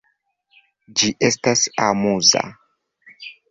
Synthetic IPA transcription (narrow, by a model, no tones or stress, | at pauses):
d͡ʒiʔe̞stasamuza̰